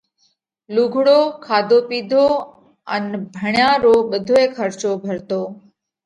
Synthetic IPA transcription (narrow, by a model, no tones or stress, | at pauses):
luːɡʱɽoːkʰaːd̪ʱoːpiːd̪ʱoː | ənbʱəɳjãːɾoːɓəd̪ʱoːeːkʰəɾt͡ʃoːbʱəɾt̪oː